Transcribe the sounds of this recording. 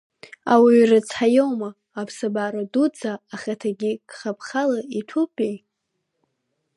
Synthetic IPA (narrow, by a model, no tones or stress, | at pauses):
a̰wirɨt͡sʰħajowmaː | pʰsabaɾadud͡zaːχʲatʰaɡʲikχapʰχalaiʈ͡ʂʰupʰʼij